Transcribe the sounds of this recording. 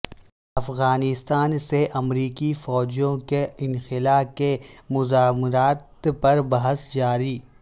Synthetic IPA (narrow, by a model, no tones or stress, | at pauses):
ɐfɣaːnɪst̪aːnseʔɐmɾiːkifɔːd͡ʒijõkeɪ̃nxɪlaːkemʊzaːmɾaːt̪pɐɾbɐɦəsd͡ʒaːɾiː